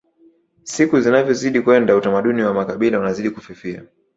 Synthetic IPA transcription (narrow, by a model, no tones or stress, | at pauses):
sikuzinavjɔziɗikuɛndautamaɗuniwamakaɓilaunaziɗikufifia̰